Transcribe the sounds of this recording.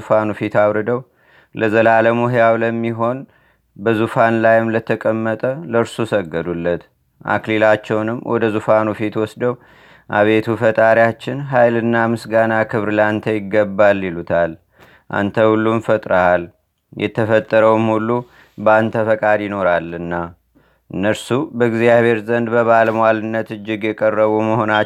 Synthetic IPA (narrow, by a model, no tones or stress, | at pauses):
fanufit̪aβɾɨd̪əw | lʔəzəlaləmuɦjawləmːiɦo̞n | bəzufanlajɪmlət̪ʰəkʼəmːət̪ʼələɾsusəɡːəd̪ulːət̪ | ʔa̰klilat͡ʃːɛwnɨmwʔɔ̰d̪əzufanufit̪wɔsd̪əw | ʔaβe̞t̪ʰufət̪ʼaɾjat͡ʃːɪnɦajlɨnːamɨsɡanakʰɨβɾlant̪ʰəjɪɡːəbːalːilut̪ʰal | ʔa̰nt̪ʰəhulːunfət̪ʼɾəal | jʔɛ̰t̪ʰːəfət̪ʼːəɾəwmhulːu | bant̪ʰəfəkʼad̪jɪno̞ɾalɨnːa | ʔɨnːəɾsubəɡzijaβʱe̞ɾzənd̪bəβaləmoalɨnːət̪ɨd͡ʒːɪɡjɛkʼərːəβuməho̞na